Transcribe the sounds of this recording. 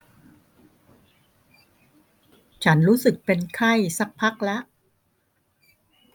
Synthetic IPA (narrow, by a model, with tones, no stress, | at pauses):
t͡ɕʰa˦˥nɾuː˦˥sɯ˨˩k̚pe˧nkʰa˥˩jsa˦˥k̚pʰːa˦˥k̚lɛ˦˥ʔ